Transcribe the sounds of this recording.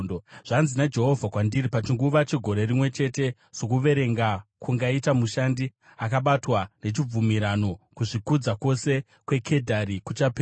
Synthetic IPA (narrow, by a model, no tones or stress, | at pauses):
ʐ̥anzinad͡ʒe̞ɦo̞vʱakwandiɾipat͡ʃiŋɡuʋat͡ʃiɡʱo̞ɾe̞ɾimwe̞t͡ʃe̞te̞ | sokuʋe̞ɾe̞ŋɡakuŋɡaitamuʃandi | akaɓatwane̞t͡ʃib͡vumiɾano̞kuʐikud͡zako̞se̞ | kwe̞kʰe̞dʱaɾikut͡ʃapeː